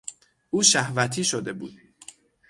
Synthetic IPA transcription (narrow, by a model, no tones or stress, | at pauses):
uːʃæhvæt̪ʰiːʃod̪e̞bṵːd̪̥̚